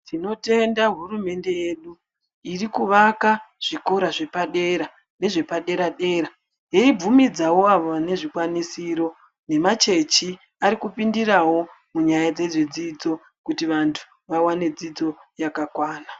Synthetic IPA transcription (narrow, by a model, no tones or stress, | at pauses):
tʰino̞te̞ndaɦurume̞nde̞je̞ɗu | irikuʋakaʐ̥iko̞ɾaʐe̞paɗe̞ɾa | ne̞ʐe̞paɗe̞ɾaɗe̞ːɾa | jeibumid͡zawo̞aʋoane̞ʐikwanisiɾo̞ | ne̞mat͡ʃe̞t͡ʃi | aɾikupindirawo̞ | muɲajad͡ze̞ʐed͡zid͡zo̞ | kutiʋantʰu̥ | ʋawane̞d͡zid͡zo̞jakakwaːna